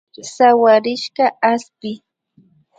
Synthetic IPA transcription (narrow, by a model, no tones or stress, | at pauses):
sawaɾɪʃɢɑaspɪ